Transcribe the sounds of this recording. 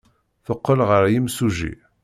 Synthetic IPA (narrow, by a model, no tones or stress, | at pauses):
θəqːəlʁəɾjimsuʒḭ